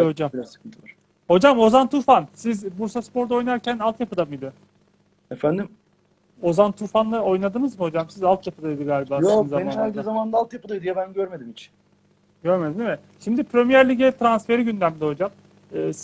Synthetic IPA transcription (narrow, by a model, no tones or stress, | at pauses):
hod͡ʒamasɯ̥kʰɯnt̪ʰɯlˠaɾ | ho̞d͡ʒamo̞zant̪ʰuɾfansizbuɾsaspo̞ɾd̪ao̞jnaɾcʰænalˠt̪japɯd̪amɯid̪ɪ | efænd̪im | o̞zant̪ʰuɾfanlˠao̞jnad̪ɯnɯzmɯho̞d͡ʒamsizalt̪ʰjapʰɯd̪aid̪iɡaːlʲibaːoɯzameninalʲd̪izamand̪aːlˠt̪japɯd̪ajd̪ijabænɟøɾme̞d̪imit͡ʃʰi̥n | ɟøɾme̞d̪imd̪imɛ | ʃimd̪ipʰɾømijæɾlʲiɟɛt̪ʰɾansfe̞ɾiɟynd̪ʲæmd̪ɛho̞d͡ʒam | ɯː